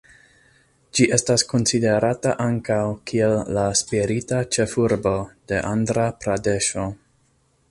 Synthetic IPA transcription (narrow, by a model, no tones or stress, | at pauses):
d͡ʒiʔe̞stasko̞nside̞ɾataʔaŋkawkʰie̞lːaspiɾitat͡ʃe̞fuɾbo̞d̥e̞ʔandɾapɾade̞ʃo̞